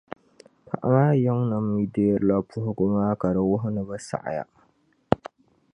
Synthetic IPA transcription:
kʰa̰˨ʔɾa˦˨ja˦ŋna˨mi˨de˦˨ɾla˦pʰːu˦hkʷʊ˦ma˦ka˨ɾa˦wʊ˦ɦna˨bɐ˦sa̰˨ʔa̰˨ja̰˦

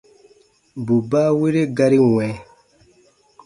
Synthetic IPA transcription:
bu˨ba˦we˦ɾe˦ɡa˦ɾi˦wɛ˨˦

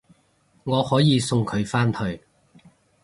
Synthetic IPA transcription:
ŋɔː˨˧hɔː˨˥jiː˨˧sʊ˧ŋkʰɵ˨˧ɥfaː˥nt̪ʰɵ˧ɥ

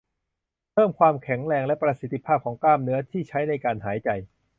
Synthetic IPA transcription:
pʰɤː˥˩mkʰwaː˧mkʰɛ˩˦ŋɾɛː˧ŋlɛ˦˥pɾa˧si˨˦˥t̪ːi˧pʰaː˥˩kʰɔː˩˦ŋklaː˥˩mnɯ˦˥ɐt̪ʰiː˥˩t͡ɕʰa˦˥jna˧jkaː˧nɦaː˩˦jt͡ɕa˨˧j

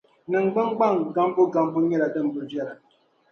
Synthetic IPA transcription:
nɨ˨ŋ̩˨ɡ͡ba˦ŋ˦ɡ͡ba˦˨ŋɡa˨˦m˦bu˦ɡa˦m˦bu˦ɲɛ˦ɾa˨də˦˨m̩˨bə˨d͡ʒa˦˨ɾa˨

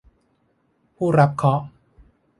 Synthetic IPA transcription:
pʰuː˥˩ɾa˦˥p̚kʰɔ˦˥ʔ

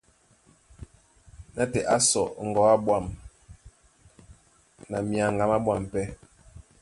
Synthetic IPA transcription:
na˦tɛ˨ʔa˦sɔ˨ŋ̩˨ɡɔ˨˦a˦bwa˨m | na˨mi˨a˨ŋ˨ɡa˨ma˦bwa˨m˨pɛ˦

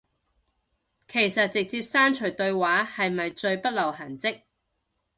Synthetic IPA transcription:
kʰe˨˩jsɐ˨t̚t͡sɪ˨k̚t͡siː˧p̚saː˥nt͡ʃʰɵ˨˩ɥt̪ɵ˧ɥwaː˨˥hɐ˨jmɐ˨jt͡sɵ˧ɥpɐ˥t̚lɐ˨˩wɦɐ˨˩nt͡sɪ˥k̚

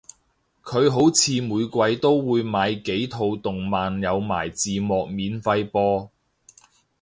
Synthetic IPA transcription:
kʰɵ˨˧ɥɦo˨˥wt͡sʰiː˨˧muː˨˧jkʷɐ˧jt̪o˥wːuː˨˧jmaː˨˧jke˨˥jt̪ʰo˨˧wt̪ʊ˨ŋmaː˨njɐ˨˧wma̰ː˨˩jt͡siː˨mɔː˨k̚miː˨˧nfɐ˧jpɔː˧

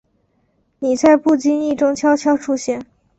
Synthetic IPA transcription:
ni˨˩t͡sa˥˧ɪpu˥˩t͡ɕi˥ni˥˩ʈ͡ʂʊ˥ŋt͡ɕʰjɑ˥ʊt͡ɕʰjɑ˥ʊʈ͡ʂʰu˥ɕjɛ˥˩n

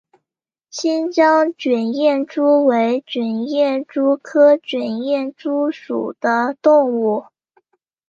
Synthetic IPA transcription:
ɕi˥nt͡ɕjɑ˥ŋt͡ɕɥɛ˨˩njɛ˥˩nʈ͡ʂu˥we˧˥ɪt͡ɕɥɛ˨˩njɛ˥˩nʈ͡ʂu˥kʰɤ˥t͡ɕɥɛ˨˩njɛ˥˩nʈ͡ʂu˥ʂṵ˨˩d̪̥ə˦t̪ʊ˥˧ŋu˥˩

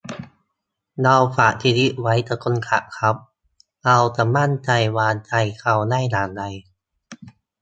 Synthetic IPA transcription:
da˧wfaː˨˩ʔt̪ʰi˧li˦˥ʔwa˦˥jt̪aː˧˩ko˧nkʰa̰˧˩ʔkʰa˦˥p̚ | ʔa˧wtaː˨˩ma˥˩nt͡ɕa˧jwaː˧nt͡ɕa˧jkʰa˧˩wna˥˩jnaː˨˦nda˧j

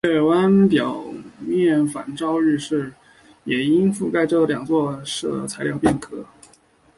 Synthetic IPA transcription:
ɛ˥˩wa˥npjɑ˨˩ʊmjɛ˥˩nfa̰˧˥nʈ͡ʂɑ˥ʊɻ̩˥˧ʂɻ̩˥˩ | jɛ˨˩i˥nfu˥˧ka˥˧ɪʈ͡ʂɤ˥˩ljɑ˨˩ŋt͡swɔ˥˧ʂɤ˥˩t͡sʰa˧˥ɪljɑ˥˧ʊpjɛ˥˩nkʰɤ˧˥

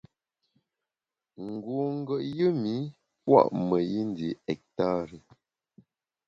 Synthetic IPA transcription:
ŋ̩˨ɡo˨ŋ̩˦ɡə˨ʔjə˦mi˨˦ | pwa̰˦˨ʔmə˨ji˦n˦di˨ɛ˨k̚ta˦ɾi˨

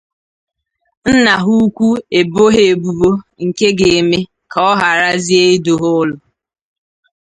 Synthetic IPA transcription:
n̩˦na˨ɦu˦kʷu˦e˨bo˦ɦe˨e˨bu˨bo˦ŋ̩˨ke˦ɡe˨me˦ | kʰa˨ɔ˦ɦa˨ɾa˦zi˦e˦i˦do˨ɦʊ˦lʊ˨

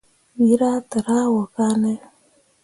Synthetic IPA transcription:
wi˦ɾa˦t̪a˨ɾa˦wo˨ka˦ne˦

